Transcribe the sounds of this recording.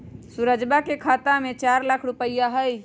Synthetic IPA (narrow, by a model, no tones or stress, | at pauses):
suɾəd͡ʒbakekʰat̪amet͡ʃaɾlakʰɾupəjaɦəj